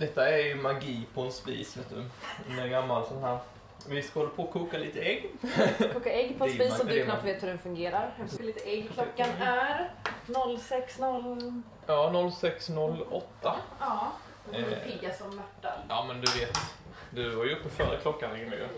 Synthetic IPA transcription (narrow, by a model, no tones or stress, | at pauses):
d̪ɛt̪ːaæɾjɵmaɡiːpʰɔɛnspḭːsveːt̪ːɵ̰ɛnæɾɡamːalsɔnɦæːɾ | vɪskahɔlːapʰoːkʰuːkaliːt̪əɛɡːkʰuːkːaɛɡːpʰɔspiːsɔd̪yːknapːveːt̪hɵɾɛnfɵŋɡeːɾaɾliːt̪əɛɡkʰlɔkːanæɾnɔlːsɛksnɔlː | jɑːnɔlːsɛksnɔlːɔ̰t̪ːaɑ | ɪɡːasɔmːæʈːajʔɑːmɛnd̪ɵveːt̪d̪ɵvaɾjʉɵpːəfœ̰ːɾə̰kʰlɔkːanɛŋːnɛ̰jɵ̰